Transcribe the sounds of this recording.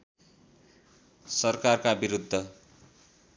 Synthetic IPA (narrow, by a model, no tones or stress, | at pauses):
sʌrkarkabiɾud̪ʱːʌ